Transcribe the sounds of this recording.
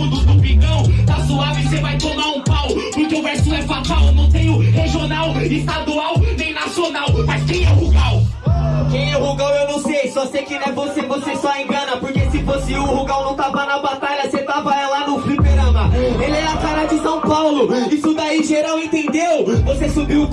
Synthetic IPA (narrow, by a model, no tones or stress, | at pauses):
d̪ʊd̪ʊvĩɡɐ̃w̃t̪asuavɪsevajt̪omaũpawlʊpʊ̃kɪʊvɛɾsĩɛpapawlonɐ̃w̃t̪ẽj̃ʊheʒionawɪst̪ad̪uawnẽj̃nasionawmaskẽj̃ɛʊhuɡaw | kẽj̃ɛʊhuɡawewnõw̃sejsɔsekɪnɛvosevosesɔẽŋɡɐ̃nɐpoɾkesɪfosɪʊhuɡawnɐ̃w̃t̪avɐanɐbat̪aʎɐset̪avɐɛlanʊflipeɾɐ̃mɐelɛakaɾad͡ʒɪsɐ̃w̃pawlʊisʊd̪aiʒeɾawẽt̪ẽnd̪ewvosesubiw